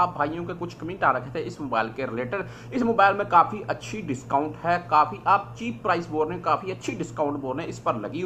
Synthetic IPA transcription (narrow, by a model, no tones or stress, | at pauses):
aːp̚bʱaːijõkekʊt͡ʃʰkɐmĩːʈaːɾakɛɦt̪ẽɪsmoːbaːɪlkeɾɪleːʈəɾ | ɪsmoːbaːɪlmẽkaːfiʔɐtːʃʰiɖɪskaːʊɳʈɦɛːkaːfiʔaːp̚t͡ʃiːppɾaːɪsboːɾnẽkaːfiɐtːʃʰiɖɪskaːʊ̃ɳʈboːɾẽɪspəɾlɐ̰ɡiː